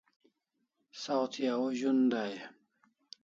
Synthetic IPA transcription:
sawt̪ʰjauʑund̪aj

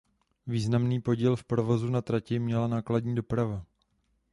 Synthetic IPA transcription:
viːznamniːpo̞ɟilfpɾo̞vo̞zunat̪ɾacɪmɲɛlanaːkladɲiːdo̞pɾava

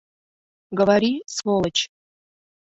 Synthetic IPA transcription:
ɡəvaɾʲisvolˠət͡ɕ

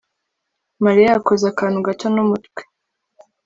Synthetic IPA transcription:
maɾijaːkozakaːnhuɡatonumutkwe̥

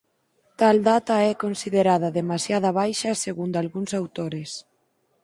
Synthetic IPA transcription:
t̪ald̪at̪aɛkonsiðeɾaðaðemasjað̞ɐβajʃaseɣund̪alɣunsawt̪oɾes

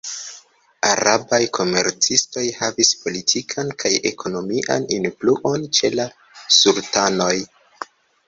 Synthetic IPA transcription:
a̰ɾabajkʰo̞me̞̰ɾt͡sisto̞jhavispo̞litʰikʰankʰaje̞̰kʰo̞no̞miʔa̰ninfluʔo̞nt͡ʃe̞la | sultano̞j

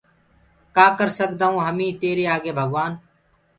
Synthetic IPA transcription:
kaːkəɾsəkd̪aːũːɦəmĩːt̪eːɾeːaːɡeːbʱəɡʋaːn

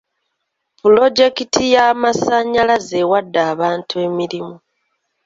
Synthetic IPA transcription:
pulo̞d͡ʒe̞kitʰijamasaɲːalaze̞wadːaːβaːntʰue̞ːmiɾimu

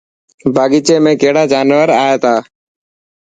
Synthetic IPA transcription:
bʱaːɠit͡ʃeːmẽːkeɦɽaːd͡ʒaːnʋəɾaːjeːt̪ʰaː

